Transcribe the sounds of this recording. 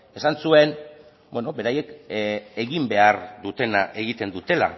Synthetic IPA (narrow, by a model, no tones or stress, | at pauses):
e̞sansue̞n | bweno̞be̞ɾaje̞ke̞ɣimbe̞aɾd̪ut̪e̞naʔe̞ɣit̪e̞nd̪ut̪e̞la̰